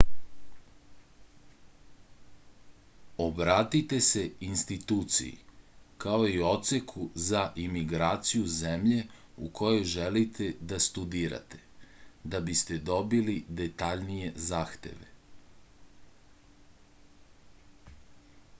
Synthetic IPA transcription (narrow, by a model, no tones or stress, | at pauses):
o̞bɾaːt̪it̪e̞se̞inst̪it̪uːt̪sḭjḭkao̞io̞t̪sekʰuzaʔimiɡɾaːt̪sijuzemʎe̞ | ṵkʰojo̞jʒelit̪ʰe̞d̪ast̪ud̪iːɾa̰t̪e̞̥d̪abist̪e̞d̪o̞bilid̪e̞t̪aʎnije̞zaːxt̪e̞̰ʋḛ